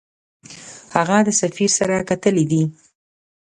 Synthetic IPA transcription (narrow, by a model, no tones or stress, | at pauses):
haɣad̪əsafiɾsaɾakat̪əlid̪i